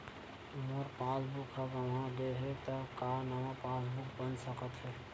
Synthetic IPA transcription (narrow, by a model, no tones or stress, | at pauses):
moɾpasbukɦəbɦəmɦãɡeɦɛt̪əkanamãpasbukbənsəkət̪ɦɛ